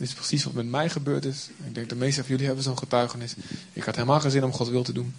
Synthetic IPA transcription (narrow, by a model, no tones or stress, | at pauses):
dɪtɪsprəsisʋɔtmɛtmɛjχəbøːɹtɪsnɪɡ̚dɛŋk̚dəmejstəfɔjøliɦɛbənzoːnχətœɥxənɪs | ɪ̰khathelˠmaːχəzɪnɔmχɔtʋɪlˠtədun